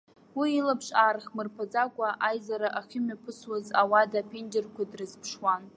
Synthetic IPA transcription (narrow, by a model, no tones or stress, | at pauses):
wiːlapʰʂarχmɨrpʰad͡zakʷʼaʔajzaɾaʔaχʲɪmapʰɨswazawadapʰend͡ʒerkʷʰadrɨzpʰʂwan